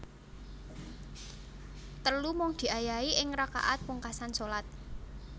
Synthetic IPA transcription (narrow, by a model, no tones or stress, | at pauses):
t̪əlumʊŋd̪̥i̤ajaiʔɪŋɾaka̰ʔat̪̚puŋkasansolat̪̚